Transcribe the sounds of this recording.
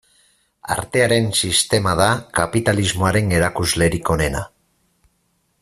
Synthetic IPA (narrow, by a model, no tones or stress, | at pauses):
a̰ɾt̪e̞aɾe̞nsist̪e̞maðakapit̪alizmo̞aɾe̞ŋe̞ɾakuzle̞ɾiko̞ne̞na̰